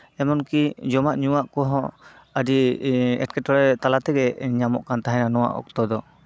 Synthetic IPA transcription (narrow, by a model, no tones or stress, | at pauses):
ɛmɔnkid͡ʒɔmaʔɲuwaʔkɔɦɔ̃ | ədiɛ̰ʈ̚kɛʈɔɽɛt̪alat̪ɛɡɛɲamɔʔkant̪aɦɛnanɔwa̰ʔɔ̰k̚t̪ɔd̪ɔ